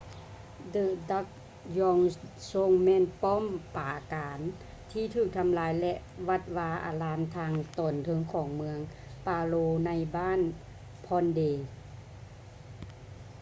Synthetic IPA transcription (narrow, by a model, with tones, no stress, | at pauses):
dɯ˧˩da˧˥k̚ | jɔ˧ŋso˧˥ŋmɛː˧˥˨npɔː˥˨mpaː˨˩kaː˨˦n | t̪ʰiː˧˩t̪ʰɯː˧˩k̚t̪ʰa˧mlaː˨˦jlɛ˧ʔʋa˧t̪̚waː˧ʔa̰ː˨˩laː˨˧˦nt̪ʰaː˧ŋt̪ɔː˨˩nt̪ʰɤ˧˥ŋkʰɔː˨˩˦ŋmɯ˧əŋ | paː˧loː˧na˧jbaː˥˨n | pʰɔː˧ndeː˧˩